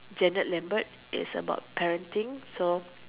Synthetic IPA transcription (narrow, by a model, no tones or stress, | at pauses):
d͡ʒɛnət̚lɛ̃mbət̚ | ɪ̰səba̰ʊt̚pɛɹə̃ntĩŋso